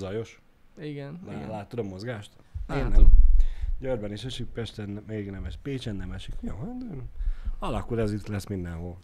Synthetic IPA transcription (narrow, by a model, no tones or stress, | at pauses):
zɒjo̞ʃ | iɡɛnlalaːt̪ːod̪omːo̞zɡaːʃt̪ | eːnːɛ | ɟørbɛniʃɛʃippɛʃt̪ɛnmɛɡiɡnɛmɛʃpeːt͡ʃɛnːɛmɛʃikjoːt̪ | ɒlɒkulɛzit̪lɛsmind̪ɛnɦol